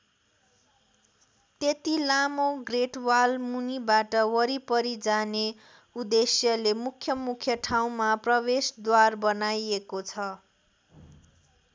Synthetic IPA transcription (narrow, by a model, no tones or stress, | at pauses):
t̪et̪ilamoɡreʈwalmunibaʈʌwʌɾipʌɾid͡zane | ud̪esjʌlemukʰjʌmukʰjʌʈʰaw̃maprʌβesd̪warbʌnajekot͡sʰʌ